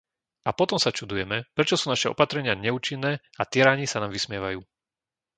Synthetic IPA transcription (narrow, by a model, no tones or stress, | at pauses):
apɔt̪ɔmsat͡ʃud̪ujɛmɛpɾɛt͡ʃɔsuːnaʃɛɔ̰pat̪ɾɛɲɪaɲɛuːt͡ʃinːɛː | at̪ɛɾaːɲisanaːmʋismɪɛʋajuː